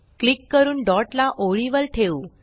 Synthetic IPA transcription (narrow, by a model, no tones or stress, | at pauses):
klikːəɾuːnɖɔʈlaʔoɭiʋəlʈʰeuː